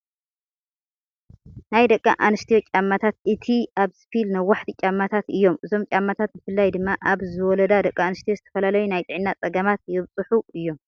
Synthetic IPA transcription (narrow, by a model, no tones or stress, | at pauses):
najd̪ɐkʼːa̰ʔanɨst̪ʰijo̞t͡ʃʼamːat̪ʰat̪ʔɨt̪ʰiaβsɨ̥filnɐwaħt̪t͡ʃʼamːat̪ʰat̪ɨjːo̞mʔɨzo̞mt͡ʃʼamːat̪ʰat̪̚bɨfɨlːajd̪ɨmːaʔaβzɨwɔlɐd̪ad̪ɐkʼːaːnɨst̪ijo̞zɨt̪ʰɐ̥fɐlalɐjunajt̪ʼɨʕnːat͡sʼɐɡɐmat̪jɪβt͡sʼɨħuɨjːo̞m